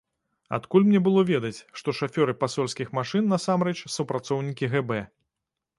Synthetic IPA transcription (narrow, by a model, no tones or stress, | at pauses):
a̰t̪kulʲmnʲɛbɨlˠɔvʲɛd̪ɐt͡sʲʂt̪ɔʂafʲɔɾɨpasɔlʲsʲkʲixmaʂɨnːɐsamɾɛt͡ʂsupɾat̪sɔwnʲikʲiɣɛbɛ